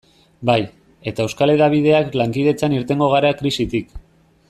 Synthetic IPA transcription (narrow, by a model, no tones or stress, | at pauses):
baj | e̞t̪aewskale̞ðaβ̞iðe̞aklaŋkið̞e̞t͡saniɾt̪e̞ŋɡo̞ɣ̞aɾakɾisit̪ik